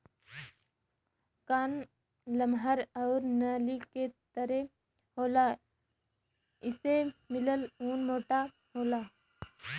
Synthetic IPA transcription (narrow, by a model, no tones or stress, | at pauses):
kaːn | ləmɦəɾəʊɾnəliket̪əɾe | ɦoːlaː | ɪsemɪləluːnmoːʈa | ɦoːlaː